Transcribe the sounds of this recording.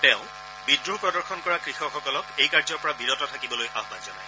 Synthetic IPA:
tɛʊ̃ | bidɹuɦpɹɔdɔɹxɔnkɔɹakɹixɔxɔkɔlɔkejkaɹzɔɹpɔɹabiɹɔtɔtʰakibɔlojʔaɦbanzɔnaj

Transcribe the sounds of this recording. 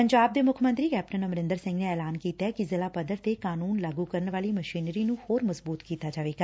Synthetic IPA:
pəɲd͡ʒaːb̚d̪eːmʊkʰmə̃nt̪ɾiːkɛːp̚ʈənəmɾɪnd̪əɾsɪ̃ŋɡneːɛːlaːnkiːt̪aɛːkɪzɪlaːpəd̪əɾt̪eːkaːnuːnlaːɡuːkəɾənʋaːliːməʃiːnɾiːnũhoːɾməzbuːt̪kiːt̪aːd͡ʒaːʋeːɡaː

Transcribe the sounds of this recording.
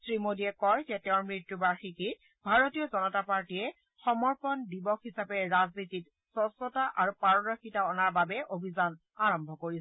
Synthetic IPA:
sɹimodiɛkɔjzɛtɛʊ̃ɹmɹitːjubaɹxikit | bʱaɹotijɔzɔnɔtapaɹtiɛ | xɔmɔɹpɔndibɔkɦisapɛɹaznitit | sɔsɔtaʔaɹupaɹɔdɔxitaɔnaɹbabɛʔobʱizan | aɹɔmbʱɔkoɹi

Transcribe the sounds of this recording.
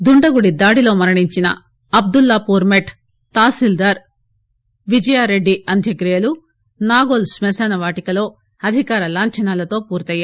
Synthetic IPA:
d̪uɳɖɐɡuɽid̪aːɽilo̞ːmɐɾɐɳiɲt͡ʃinɐ̰ | ɐb̚d̪ulːɐːpuːɾmeʈ | t̪aːsild̪ɐɾ | ʋid͡ʒɐjaːɾe̞ɖːiʔɐnd̪ʱjɐɡɾijɐlu | naːɡoːlsmɛsɐnɐʋaːʈikɐlo̞ː | ɐd̪ʱikaːɾɐlaːɲt͡ʃɐnaːlɐt̪o̞ːpuːɾt̪ɐjːaː

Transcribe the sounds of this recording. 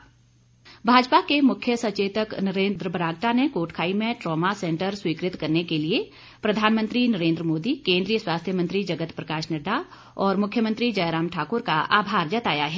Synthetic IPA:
bʱaːd͡ʒpakemʊkʰjəsɐt͡ʃeːt̪əknɐɾẽːnd̪ɾəbɾaːɡ̚ʈanekoːʈʰkʰaːimẽʈɾɔːmasẽːɳʈəɾswiːkɾɪt̪kɐɾnekelie | pɾɐd̪ʱaːnmə̃nt̪ɾinɐɾẽːnd̪ɾəmoːd̪ikẽːnd̪ɾijəswaːst̪ʰjəmə̃nt̪ɾid͡ʒɐɡət̪pɾɐkaːʃnəɖːa | ɔːɾmʊkʰjəmə̃nt̪ɾid͡ʒɐjɾaːmʈʰaːkʊɾkaʔa̰ːbʱaːɾd͡ʒɐt̪aːjaɦɛː

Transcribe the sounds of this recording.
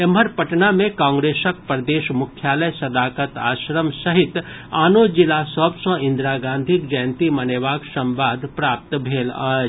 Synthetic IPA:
eməɾpɐʈnamẽkãːŋɡɾeːsək̚pɾəd̪eːʃmʊkʰːjaːləjsɐd̪aːkət̪a̰ːʃɾəmsɐɦɪt̪ | aːnod͡ʒɪlasɔbsɐ̃ɪ̃nd̪ɾaːɡãːnd̪ʱikd͡ʒəjənt̪imɐneʋaːksɐ̃mʋaːd̪ʱpɾaːp̚t̪bʱeːlaːd͡ʒ

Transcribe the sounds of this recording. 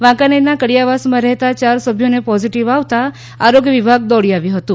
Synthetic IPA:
ʋãkaninakəɽijaʋasmãɾɛɦt̪at͡ʃaɾsəbʱjonepɔziʈiʋaʋt̪aː | ɾoɡjəʋibʱaɡ̚d̪ɔɽiaʋjũɦət̪ũ

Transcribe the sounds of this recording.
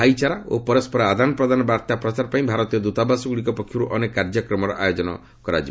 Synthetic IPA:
ajt͡ʃaɾao̰pɔɾɔspɔɾaad̪ʱanɔpɾɔd̪ʱanɔbaɾt̪apɾɔt͡ʃaɾpaĩbʱaɾɔt̪ijɔd̪ut̪abasɔɡuɭikɔpɔkʰjuɾuʔɔnekːaɾd͡ʒɔkɾɔmɔɾɔʔajod͡ʒɔnɔ̰ | kɔɾa̰d͡ʒi

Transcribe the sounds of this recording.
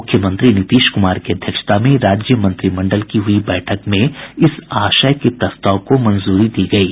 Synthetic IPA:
ʊkʰːjəmə̃nt̪ɾinɪt̪iːʃkʊmaːɾkiɐd̪ʱjəkʃə̥t̪ʰamẽɾaːd͡ʒjəmɐ̃nt̪ɾimɐ̃ɳɖəlkiɦʊibɛːʈʰəkmẽɪsaːʃəjket̪ɐst̪aʊkomɐ̃nzuːɾid̪iːɡɐiː

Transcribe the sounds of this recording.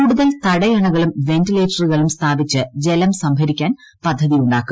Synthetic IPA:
uːɽuðɐlt̪ɐɽɐjɐɳɐɣɐɭumʋe̞ntileːʈɐrɨɣɐɭumst̪ʰaːbit͡ɕːɨd͡ʑe̞lɐmsɐmbʱɐɾikʲːaːn | pɐd̪ʱːɐðijuɳɖaːkːum

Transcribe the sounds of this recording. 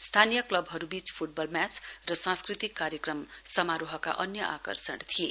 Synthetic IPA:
st̪ʰanijʌklʌbɦʌɾubit͡spʰuʈ̚bʌlmjat͡srʌsãskrit̪ikːaɾjʌkrʌmsʌmaɾoɦʌka̰ʔʌnjʌʔakʌ̰rsʌɳt̪ʰije

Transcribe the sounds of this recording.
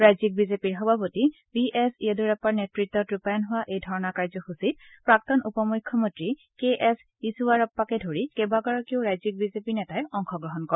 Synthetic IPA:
ɹajzik̚bizepiɹxɔbʱapoti | biʔɛsiɛduɹɛpaɹnetɹitːɔtɹupajɔnɦʊwaʔejdʱɔɹɔnakaɹzɔxusit̚ | pɹak̚tɔnupɔmujkʰːjɔmɔntɹi | keʔɛs | isuwaɹɔpːakɛdʱoɹikɛbaɡɔɹɔkieoʊɹajzik̚bizepiɹnɛtaɛɔŋxɔɡɹɔɦɔnkɔ

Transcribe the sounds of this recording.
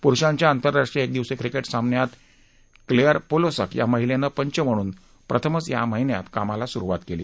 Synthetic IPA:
puɾɕãɲt͡ɕjaːnt̪əɾːaʂʈɾijəek̚d̪iʋsekɾikeʈsambnjat̪ | kleəɾpolosə̰kja̰məɦilenəpəɲt͡ɕəm̤əɽ̃uːn | pɾʔət̪ʰəmət͡sja̰məɦinja̰t̪kamalasuɾuʋat̪kelḭː

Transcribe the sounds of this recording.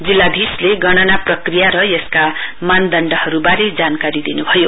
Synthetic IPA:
d͡zilːad̪ʱisleɡʌɽ̃ʌnaprʌkrijaɾʌjeskamand̪ʌɳɖʌhʌɾubaɾed͡zankaɾid̪inubʱʌjo

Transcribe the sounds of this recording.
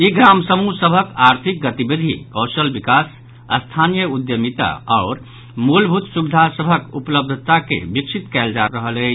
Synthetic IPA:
iɡɾamsəmusəbʱəkaɾt̪ʰik̚ɡət̪ibid̪ʱḭkɔːsəlbikas | ə̰st̪ʰanijəud̪jəmit̪a̰aʊɾ | mulbʱut̪subid̪ʱasəbʱəkṵpləb̚d̪ʱət̪akḛbiksit̪kɛld͡ʒaɾəɦəlɛ

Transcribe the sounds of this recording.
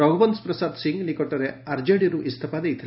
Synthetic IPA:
ɐɡʋɐnspɾɐsaːd̪siŋɡnikoʈːɐɾeɐɾd͡ʒeɽiɾuʔist̪ʰɐpaːd̪eit̪ʰɐ

